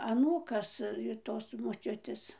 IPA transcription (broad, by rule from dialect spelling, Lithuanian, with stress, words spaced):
ɐˈnuːkɐs ɪr ˈtoːs moːˈt͡ʃʲʊtʲeːs